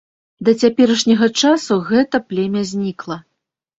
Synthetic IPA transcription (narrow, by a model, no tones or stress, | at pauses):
d̪ɐt͡sʲapʲɛɾɐʂnʲɐɣɐt͡ʂasuɣɛt̪ɐplʲɛmʲɐzʲnʲiklˠɐ